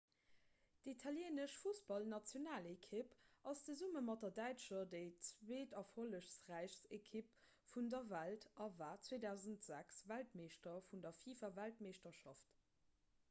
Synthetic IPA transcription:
d̥itʰɑljeːnəʃfusb̥ɑlnɑt͡sjonaːlekʰipʔɑst͡səzuməmɑt̚dɐdæɪt͡ʃɐdəɪt͡sweːdɑfholəʃsʁæɪʃsekʰip̚ | fundɐvæltɑvaːt͡sweːdæʊzəntz̥æksvæltmeːʃtɐfundɐfiːfɐvæltmeːʃtɐʃɑft

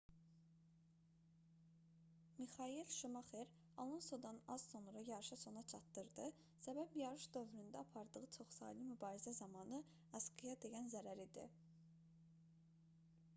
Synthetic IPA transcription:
mixɑilʃumɑχeɾ | ɑlˠunsod̪ɑnɑz̥so̞nɾɑjɑɾɯʃɑso̞nɑt͡ʃʰɑt̪ːɯɾd̪ɯ | sæbæbjɑɾɯʃd̪ø̞vɾynd̪æɑpʰɑɾd̪ɯɣɯt͡ʃʰo̞χsɑ̰ːlimybɑːɾizæzɑmɑnɯ | ɑskʰɯjɑd̪e̞jænzæɾæɾid̪ḭ

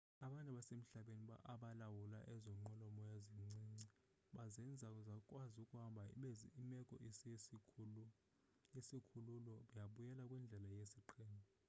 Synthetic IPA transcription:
aɓantʼaɓasem̩ɬaɓeniɓa̰ʔaɓalawula̰ʔɛzɔŋ͡ǃɔlɔmɔjaziŋ͡ǀiŋ͡ǀi | ɓazɛnd͡zʱauzakʼwazukʼuhambʱaɓimɛkʼɔ̰ʔisi | isikʰululɔɓajaɓujɛlakʼwɛnd͡ɮʱɛlajesiǃʰɛːmbʱɔ

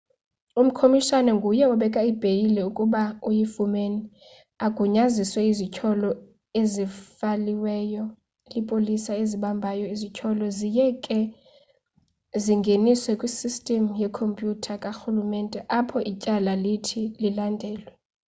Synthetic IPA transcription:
um̩kʰomiʃanɛŋɡʱujɛɔɓɛkʼaib̥ʱejilɛukʼuɓaujifumeni | aɡ̥ʱuɲaziswɛizit͡ʃʰɔlɔ | ezifaliwɛːjɔ | lipʼolisaeziɓambʱajɔizicʰɔlɔzijɛkʼɛ | ziŋɡʱeniswɛkʼwisistʼɛmjɛkʰompʼjutʰakʼaxulumɛːntʼɛʔapʰɔʔicʼalalitʰililandʱɛːlwɛ

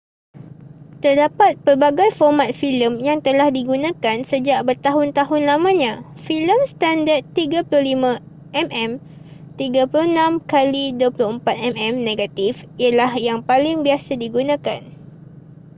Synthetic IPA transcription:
t̪ərdapat̪̚pərbaɡajfɔrmat̪̚filəmjaŋt̪əlahdiɡunãkansəd͡ʒaʔbərt̪aɦʊnt̪aɦʊnlamãɲã | filəmst̪andart̪ːiɡaplʊhlimã | ʔɛmʔɛm | t̪iɡapulʊhnãmkaliduəplʊhəmpat̪̚ɛmɛmnẽɡat̪ifialahjaŋpalɪŋbiasadiɡunãkan

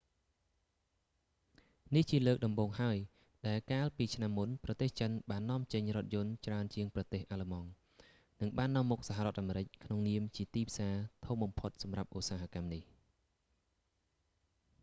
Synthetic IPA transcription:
niht͡ɕiələːk̚ɗɑmɓoːŋɦaəj | ɗaɛlkaːlpiːt͡ɕʰnamːunprɑt̪eːht͡ɕənɓaːnːɔ̆əmt͡ɕəɲrŏət̪̚jʊ̆ənt͡ɕraənt͡ɕiəŋprɑt̪eːhʔaːləmɑŋ | nɨŋɓaːnːɔ̆əmːuk̚saɦarŏət̪ʔaːmeːɾɨc̚kʰnoŋniəmt͡ɕiət̪iːpʰsaːt̪ʰumɓɑmpʰot̪̚sɑmrap̚ʔusaːɦakamnih

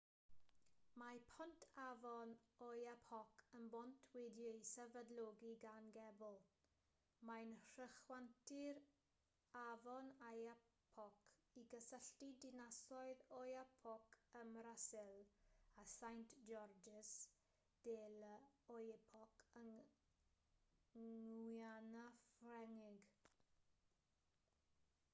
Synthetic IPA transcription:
mapʰɔntʰavɔnɔjapʰɔkʰənbɔntʰwɪdjɔisɛvədlɔɡiɡanɡɛbɔlˠ | majnr̥əχwantʰɪɾ | avɔnajapʰɔkʰiɡəsəɬtidɪnasɔɨðɔjapʰɔkʰəmɾasɪlasajntd͡ʒɔrd͡ʒɪs | d̥eːləɔjɛpʰɔkʰəŋ | janafrɛŋɪɡ

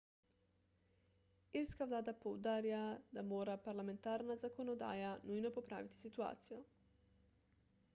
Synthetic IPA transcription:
iɾskaʋlaːd̪apowd̪aːɾjad̪amoːɾapaɾlamẽ̞nt̪aːɾnazakonod̪a̰ːjanujnopopɾa̰ːʋit̪i̥sit̪ua̰ːt̪sijo

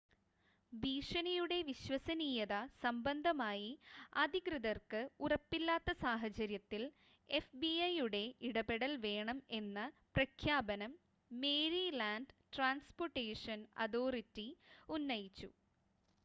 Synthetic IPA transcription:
biːʂɐnijuɽe̞ʋiɕʋɐsɐniːjɐðɐsɐmbɐnd̪ʱɐmaːjiɐd̪ʱikrɨðɐrkɨurɐpːilːaːt̪ːɐsaːɦɐt͡ɕɐɾjɐt̪ːil | e̞fbiɐjuɽe̞iɽɐbeɽɐlʋe̞ːɳɐme̞nːɨprɐkʰjaːbɐnɐmː | e̞ːɾilaːnɖʈraːnsporʈːeːʂɐnɐ̰ðoːritːiunːɐjit͡ɕːu

